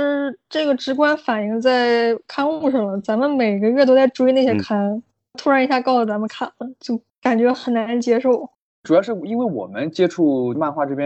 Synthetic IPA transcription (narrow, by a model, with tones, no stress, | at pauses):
ʈ͡ʂɤ˥˩ɡə˩ʈ͡ʂɻ̩˧˥kwa˥nfa˨˩ni˧˥ŋt͡sa˥˩ɪkʰa˥nu˥˧ʂɑ˥˩ŋlə˩t͡sa˧˥mə˧nme˨˩ɪɡə˧˦ɥɛ˥˩t̪o˥t͡sa˥˧ɪʈ͡ʂu˥˧i˥˧na˥˩ɕjɛ˥kʰa˥n | t̪ʰu˥ɻa˧˥i˧˥ɕja˥˧kɑ˥˩ʊlə˩t͡sa˧˥mə˧nkʰa˥˩nlə˩t͡ɕjo˥˩ʊ | ka˨˩nt͡ɕɥɛ˧˥xə˨˩nna˧˥nt͡ɕjɛ˥ʂo˥˩ʊ | ʈ͡ʂu˨˩jɑ˥˧ʊʂɻ̩˥˩i˥nwe˥˩ɪwɔ̰˨˩mə˦nt͡ɕjɛ˥ʈ͡ʂʰu˥˩ma˥˧nxwa˥˧ʈ͡ʂɤ˥˧pjɛ̃˥